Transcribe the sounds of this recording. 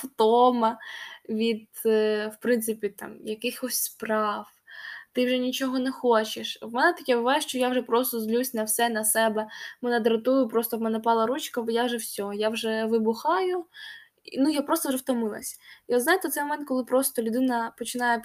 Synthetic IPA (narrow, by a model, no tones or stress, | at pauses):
ft̪ɔmɐʋʲid̪ | wpɾɪnt̪sɪpʲit̪ɑ̰mjɐkɪxɔsʲspɾɑw | t̪ɪwʒɛnʲit͡ʃɔɦɔnɛxɔt͡ʃɪʃwmɛnɛt̪ɐkʲɛbʊʋajɛʃt͡ʃɔjawʒɛpɾɔst̪ɔzlʲusʲnɐwsɛnɐsɛbɛmɛnɛd̪ɾɐt̪ujʊpɾɔst̪ɔwmɛnɛpɑlˠɐɾut͡ʃkɐjawʒɛwsʲɔjawʒɛʋɪbʊxɑjʊ | nujapɾɔst̪ɔwʒɛfwt̪ɔmɪlˠɐ̰sʲiɔd̪znajt̪ɛwt̪sɛjmɔmɛnt̪kɔlˠɪpɾɔst̪ɔlʲʊd̪ɪnɐpɔt͡ʃɪnɑjɛ